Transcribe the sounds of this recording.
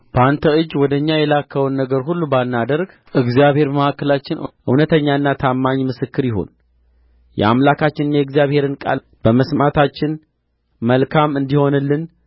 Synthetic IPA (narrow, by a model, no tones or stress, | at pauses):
b̥əant̪ʰəɨd͡ʒːwɔd̪əɲːajɛlakʰːəwnːəɡəɾɦulːubanːad̪əɾɡ | ʔɨɡzijaβhe̞ɾməhakːəlat͡ʃːɪn̰ʔɨ̰wnət̪ʰəɲːaɨnːat̪ʰamːaɲmɨsɨkːɨɾjɪɦo̞̰n | jɛ̰a̰mlakʰat͡ʃːɪnɨnːjɛɡzijaβhe̞ɾɨnkʼa̰l | b̥əməsmat̪ʰat͡ʃːɪn | məlkʰamɨnd̪iho̞nɨlːɨn